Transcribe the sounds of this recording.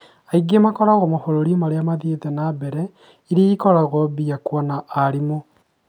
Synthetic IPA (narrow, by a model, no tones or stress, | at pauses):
aiɡemakɔɾaɣɔmohoɾoɾiomaɾeamaðieðɛnabɛɾɛ | iɾeikɔɾaɣɔbiakwanaʔːɾimo